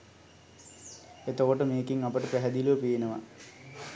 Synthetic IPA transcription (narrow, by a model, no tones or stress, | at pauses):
et̪ːokoʈːɨmeːkiŋɐpɐʈːɨpeɦɐd̪iloːpiːnɐʋɐ̰